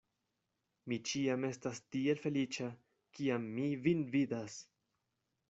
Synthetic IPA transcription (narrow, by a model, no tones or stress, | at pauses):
mit͡ʃiame̞stastie̞lfe̞lit͡ʃa | kiamːivinvidas